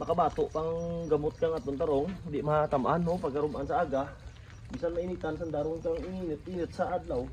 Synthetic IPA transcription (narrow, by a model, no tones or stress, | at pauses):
makabat̪oʔpaŋŋɡamʊt̪̚kaŋat̪ont̪aɾoŋd̪ɪʔmahat̪amʔanɦopaɡ̚kaɾumʔansaaɡa | misanmainit̪ans̬and̪aɾʊŋkaŋininɨt̪̚inɨt̪̚saʔad̪̚law